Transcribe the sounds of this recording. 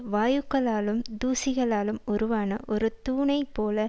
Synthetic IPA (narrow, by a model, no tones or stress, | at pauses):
ʋaːjɯkːɐɭaːlɯmd̪uːsɪɣɐɭaːlɯmɔɾɯʋaːnɐ̰ʔɔɾɯt̪uːnɐɪpːoːlɐ